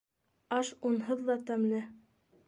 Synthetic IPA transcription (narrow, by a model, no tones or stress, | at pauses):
ɑʃunɦɤðːɑt̪æmlɘ